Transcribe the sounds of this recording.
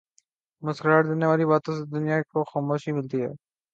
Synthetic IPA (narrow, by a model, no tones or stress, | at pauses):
məskɾaːɾd̪eːneːʋaːliːbaːt̪õːsed̪ʊnɪjaːkoxaːmoːʃiːmɪlt̪iːɦɛ̰ː